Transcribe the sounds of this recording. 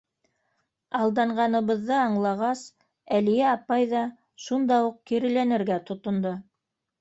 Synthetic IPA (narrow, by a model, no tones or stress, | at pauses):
ɑlˠd̪ɑɴɢɑnɤ̆βɤ̆ðːɤɑɴlˠɑʁɑs | ælijæɑpɑjðɑ | ʃund̪ɑuq̚kiɾɘ̆lænɘ̆ɾɡæt̪ŏt̪ŏnd̪o